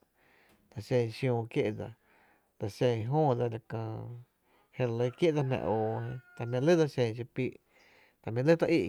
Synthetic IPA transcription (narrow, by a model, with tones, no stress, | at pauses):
d̪a˨ʃẽ˧˨˧ʃjõː˧˨kje˦ʔd͡za̰˧ | d̪a˧ʃẽ˧˨ɦõː˦˨d͡za˧la˨kãː˧˨ | he˧lə˧˦˧kje˦ʔd͡za˧mɛ̰̃˧ʔoː˨hẽ˧t̪a˨mẽ˧lə˦da˧ʃẽ˧˨˧ʃ̬e˧piː˧ʔ | t̪a˨mẽ˧lə˦t̪a˧ʔi˦˧ʔ